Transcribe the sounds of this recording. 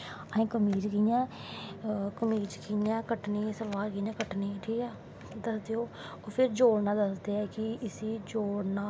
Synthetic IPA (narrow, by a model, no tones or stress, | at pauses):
aːĩːkəmiːd͡ʒkijãː | kəmiːd͡ʒkiːãːkəʈniːsəlʋaːɾkiãːkəʈniːʈʰiːkɛː | d̪əsd̪eːoː | oːpʰɪɾd͡ʒoːɽnãːd̪əsd̪eːɛːkɪɪsiːd͡ʒoːɽnaː